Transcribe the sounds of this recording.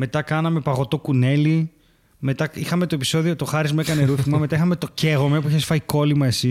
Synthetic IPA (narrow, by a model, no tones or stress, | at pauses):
me̞t̪ɐkɐnɐme̞pɐɣo̞t̪o̞kune̞li | me̞t̪ɐixɐme̞t̪oepi̥so̞ðio̞t̪o̞xɐɾizmekɐne̞ɾuθimɐme̞t̪ɐixɐme̞t̪o̞ce̞ɣo̞me̞puiçesfɐiko̞limɐe̞si